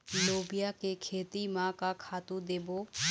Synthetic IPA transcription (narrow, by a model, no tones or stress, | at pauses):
loːbɪjakekʰeːt̪imãːkakʰaːt̪ũd̪eːboː